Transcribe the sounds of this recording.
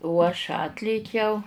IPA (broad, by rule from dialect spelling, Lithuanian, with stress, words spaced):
oː ɐʃ ˈɑːtʲlʲeːkʲɛʊ